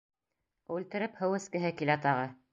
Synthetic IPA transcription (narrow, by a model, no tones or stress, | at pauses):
ʉlt̪ɘ̆ɾɘphɘ̆wɘ̆skɘ̆ɦɘkilæt̪ɑʁɤ